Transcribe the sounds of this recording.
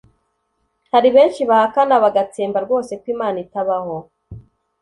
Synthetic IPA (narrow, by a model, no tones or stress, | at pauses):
haɾiβe̞ːnʃiβahakanaβaɡat͡seːmbaɾɡo̞ːse̞kwiːmaːnitaβaho̞